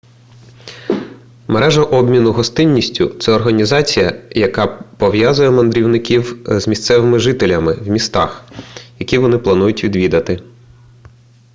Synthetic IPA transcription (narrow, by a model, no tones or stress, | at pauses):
meɾɛʒɐʔɔbʲmʲinʊɦɔst̪ɪnʲːisʲtʲʊ̰t̪sɛɔrɦɐnʲizɑt͡sʲijɐjɐkɑpɔʋjazʊjɛmɐnd̪ɾʲiwnɪkʲiwzmʲist̪sɛʋɪmɪʒɪt̪elʲɐmɪwmʲist̪ɑ̰xjɐkʲiʋɔnɪplˠɐnujʊtʲʋʲid̪ʋʲid̪ɐt̪ɪ